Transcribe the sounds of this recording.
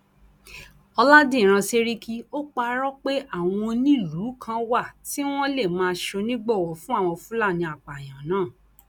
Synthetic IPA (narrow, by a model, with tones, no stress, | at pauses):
ɔ˧la˦dĩ˦˨ɾ̃ã˧se˦ɾi˦kʰi˦o˦k͡pa˧ɾɔ˦k͡pe˦ʔa˦˨w̃ɔ̃˧nĩ˦˨lu˨˦kʰã˧wa˦˨ti˦w̃ɔ̃˦le˦˨mãː˧ʃo˧nĩ˦ɡ͡bɔ˦˨wɔ˨fũ˦a˦˨w̃ɔ̃˧fũ˦la˦˨nĩ˧a˨k͡pa˨j̃ã˨nãː˦˨